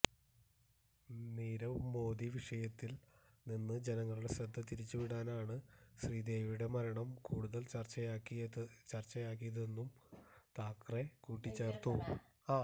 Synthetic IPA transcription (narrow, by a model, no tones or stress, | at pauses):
niːɾɐʋumo̞ːd̪iʋiʂɐjɐt̪ːil | ninːɨd͡ʑe̞nɐŋːɐɭuɽe̞ɕɾɐd̪ʱːɐt̪iɾit͡ɕːuʋiɽaːnaːɳɨɕriːd̪e̞ːʋiuɽe̞mɐɾɐɳɐmkuːɽuðɐlt͡ɕɐrt͡ɕːɐjkːit͡ɕɐrt͡ɕːɐjaːk̬ːijɐðe̞nːumt̪aːkrekuːʈːit͡ɕːe̞ːrt̪u | aː